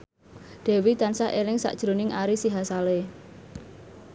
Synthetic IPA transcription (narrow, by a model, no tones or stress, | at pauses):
ɖ̪̥ɛ̤wit̪ansaʔelɪŋsa̰ʔd̥ʒ̥ɾonɪŋʔaɾisiɦasale